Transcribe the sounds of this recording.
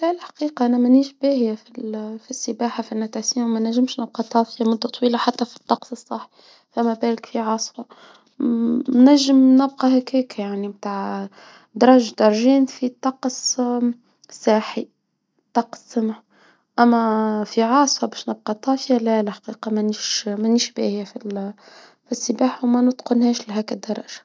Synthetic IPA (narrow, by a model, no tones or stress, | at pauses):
lælħḁqiːqɑʔænæmæniːʒbihjæfifisːəbaːħafiʔnːæt̪aʕsiːmmænæʒːɪmʃnɪb̚qɑt̪ˤɑːfjamʊd̪ːat̪ˤwiːlaħat̪ːæfi̥t̪ˤːɑqsˤɨsˤːɑħːi̥ | fæmæbæːlɪkfiʕɑːsˤfɑ | næʒːɪmnɪb̚qɑɦækæːkjaʕnimt̪aːʕ | d̪ɑɾˤɑːʒd̪ɑɾˤʒiːnfit̪ˤːɑqs | sːɑːħi | t̪ˤːɑqsːəmʕ | ʔæmːæfiʕɑːsˤfɑbɛːʃnɪb̚qɑt̪ˤːɑːfjalælħɑ̥qiːqɑmæniʃmæniʃbæ̰hɪjæfil | fisːəbaːħwmænʊt̪qʊnhɛːʃlɦæːkæd̪ːɑɾˤɑ̰ːʒ̥ḁ